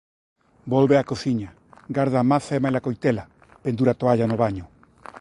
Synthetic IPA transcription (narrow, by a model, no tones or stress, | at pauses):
bolβeakoθiɲa | ɡaɾðaːmaθaemajlakojt̪ela | pend̪uɾat̪oaʎanoβaɲʊ